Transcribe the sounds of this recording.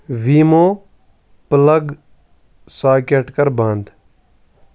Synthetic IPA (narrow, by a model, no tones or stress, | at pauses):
ʋiːmoː | pələɡ | saːkeʈkəɾbãːnd̪